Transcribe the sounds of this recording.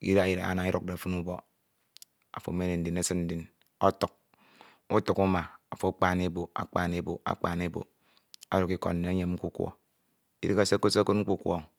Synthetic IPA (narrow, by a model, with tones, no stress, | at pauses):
kḭ˦ɾa˦ji˦˨ɾa̰˨a̰˨na˨i˦ɾu˨k̚de˨fu˦nu˦bo˦ | a̰˨fo̰˨me˦ne˨n̩˦di˨ne˦sɨ˦n̩˦di˨n | o˦tu˨k̚ | u˦tu˨ku˦ma˨a˨fo˨˦k͡pa˦ne˦bo˨a̰˨k͡pa˦ne˦bo̰˨a̰˨k͡pa˦˨ne˦bo̰˨ | a˦ɾu˨ki˦ko̰˨nː˦e˨˦ɲe˦mŋ͡m̩˦ku˦kʷɔ̰˨ | ḭ˦ɾi˦ka˦se˦ko˦se˦ko˦t̚ŋ͡m̩˦k͡pu˦kʷo̰˦˨ŋ